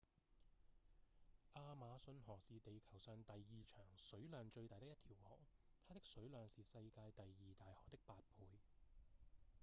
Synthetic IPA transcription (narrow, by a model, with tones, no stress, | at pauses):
ʔaː˧maː˨˧sɵ˧nɦɔː˨˩k̚siː˨t̪e˨jkʰɐ˨˩wsœː˧ŋt̪ɐ˨jːiː˨t͡ʃʰœː˨˩ŋsɵ˨˥ɥlœː˨˧ŋt͡ʃɵ˧ɥt̪aː˨jt̪ɪ˥kjɐ˥t̪ʰiː˨˩whɔ̰ː˨˩k̚t̪ʰaː˥t̪ɪ˥k̚sɵ˨˥ɥlœː˨ŋsiː˨sɐ˧jkaː˧jt̪ɐ˨jːiː˨t̪aː˨jhɔː˨˩k̚t̪ɪ˥k̚paː˧t̚pʰuː˧j